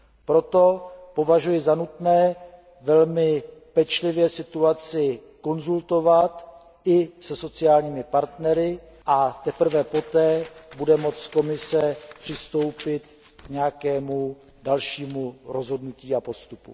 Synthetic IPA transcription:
pɾo̞t̪o̞po̞vaʒujɪzanut̪nɛː | vɛlmɪpɛt͡ʃlɪvjɛsɪt̪uat͡sɪ | ko̞nzult̪o̞vat̪ | ʔɪsɛso̞t͡sɪaːlɲiːmɪpaɾt̪nɛɾɪ | ʔat̪ɛpr̩vɛpo̞t̪ɛːbudɛmo̞t͡sko̞mɪsɛpr̝̥ɪst̪o̞wpɪt̪ | kɲɛakɛːmu | dalʃiːmuɾo̞zɦo̞dnuciːapo̞st̪upṵ

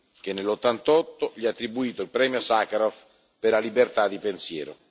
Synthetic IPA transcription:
k̟enːelːot̪ːant̪ɔt̪ːoʎiat̪ːɾibuiːt̪oilpɾɛːmjosakɾɔf | peɾlalibert̪ad̪ːipensjɛːɾo̰

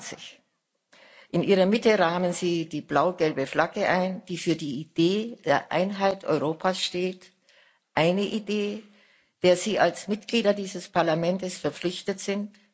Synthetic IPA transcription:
t͡sɪç | ʔɪnʔiːʁɐmɪtəʁaːmənziːdiːblaʊɡɛlbəflaɡəʔaɪnd̥iːfyːɐdiːid̥eːd̥eːɐʔa̰ɪnɦaɪtʔɔ̰ʏʁoːpʰasʃteːt | ʔaɪnəʔideː | d̥eːɐziːʔalsmɪtɡ̥liːdɐdiːzəspʰaɐlamɛntəsfɛɐp͡flɪçtətz̥ɪnt

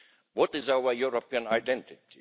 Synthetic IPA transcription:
wɔtɪzaʊəjuɾopiə̃naɪdɛ̃ntɪti

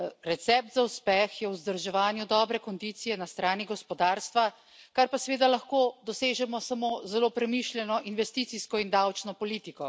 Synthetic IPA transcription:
ɾɛt̪sɛp̚t̪zauspɛxjɛwzd̪əɾʒɛʋaːnjud̪ɔːbɾɛkɔnd̪it̪sijɛnast̪ɾaːniɡɔspɔd̪aːɾst̪ʋa | kaɾpasɛʋeːd̪alaxkoːd̪ɔseːʒɛmɔsamoːzɛloːpɾɛmiʃlʲjɛnɔʔinʋɛst̪iːt̪siskɔind̪awt͡ʃnɔpɔliːt̪ikɔ

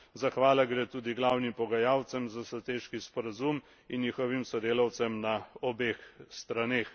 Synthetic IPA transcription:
zaxʋaːlaɡɾeːt̪uːd̪iɡlaːwnimpɔɡajaːwt̪sɛmzasat̪eːʃkispɔɾazum | injixɔʋimsɔd̪eːlawt̪sɛmnaɔbeːxst̪ɾaneːx

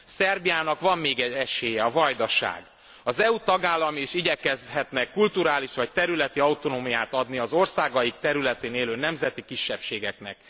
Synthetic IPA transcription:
sɛrbijaːnɒkʋɒmːeːɡɛɟɛʃeːjɛɒvɒjd̪ɒʃa̰ːɡ | ɒzɛut̪ɒɡaːlːɒmiːʃiɟɛkɛzɦɛt̪nɛkːult̪uɾaːliʃʋɒc̚t̪ɛɾylɛt̪iɒut̪o̞noːmijaːt̪ɒd̪niɒzo̞rsaːɡɒjik̚t̪ɛɾylɛt̪eːneːløːnɛmzɛt̪ikiʃːɛpʃeːɡɛknɛ̰k̚

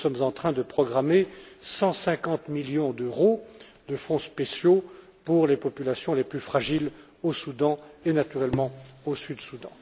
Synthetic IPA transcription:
sɔmzɑ̃t̪χɛ̃d̪əpχɔɡʁamesɑ̃sɛ̃kɑ̃t̪miljɔ̃d̪øʁod̪əfɔ̃spesjo | puʁlepɔpylasjɔ̃leplyfχaʒil | osud̪ɑ̃enat̪yʁɛlmɑ̃osyd̪sud̪ɑ̰̃

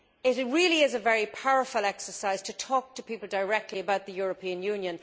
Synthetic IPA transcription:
ɪɾɹɪliɪzəvɛɹipʰaʊəfəlˠɛksə˞saɪz̥tʰətʰɔːk̚tʰəpipəl̩ˠdəɪɹɛk̚tʰˡliəbaʊt̪̚ðəjɔːɹəpʰĩə̃njʉ̃njə̃n

